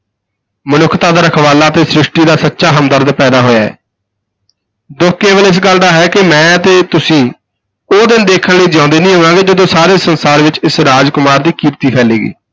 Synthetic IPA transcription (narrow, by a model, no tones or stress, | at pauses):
mənʊkʰt̪aːd̪əɾəkʰʋaːlaːət̪eːsɾɪʃʈiːd̪aːsətːʃaːɦəmd̪əɾd̪pɛːd̪aːɦoːja̰ːɛ̰ː | d̪ʊkʰkeːʋəlɪs̬ɡəld̪aːɦɛːkɪmɛ̃ːət̪eːt̪ʊsĩː | oːd̪ɪnd̪eːkʰənləːd͡ʒãːʊ̃nd̪eːnĩːɦəʋãːɡeːd͡ʒəd̪õːsaːɾeːsənsaːɾʋɪt͡ʃɪsɾaːd͡ʒkʊmaːɾd̪iːkiːɾt̪iːpʰɛːleːɡḭː